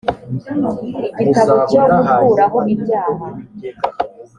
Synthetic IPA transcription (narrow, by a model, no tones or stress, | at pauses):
iɟitaβocoɾufuɾaɦoβibjaːɦa